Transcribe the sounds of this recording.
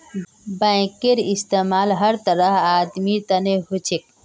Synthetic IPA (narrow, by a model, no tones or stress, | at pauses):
bãkeɾist̪emaːlɦəɾt̪əɾəɦaːd̪mit̪ɐneɦut͡ʃʰek̚